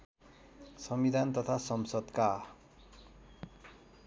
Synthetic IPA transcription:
sʌmbid̪ʱant̪ʌt̪ʰasʌmsʌd̪ka

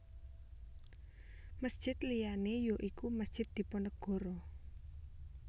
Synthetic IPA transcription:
məsd̥ʒ̥ɪt̪lijanejoʔikuməsd̥ʒ̥ɪt̪̚d̪̥i̤pɔnəɡ̥ɔ̤ɾɔ

